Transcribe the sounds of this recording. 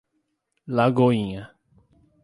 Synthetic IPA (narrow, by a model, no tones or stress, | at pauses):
laɡoĩɲɐ